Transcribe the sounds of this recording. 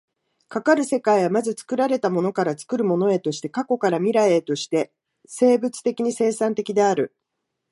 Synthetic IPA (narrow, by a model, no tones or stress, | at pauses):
kakaɾɯ̟se̞kaiβamazɨt͡sɨ̥kɯ̟ɾaɾe̞t̪amo̞no̞kaɾat͡sɨ̥kɯ̟ɾɯ̟mo̞no̞e̞t̪o̞ɕi̥t̪e̞kako̞kaɾamʲiɾae̞t̪o̞ɕi̥t̪e̞ | se̞ːbɯ̟t͡sɨ̥t̪e̞kʲiɲ̟ise̞ːsãnt̪e̞kʲid̪e̞aɾɯ̟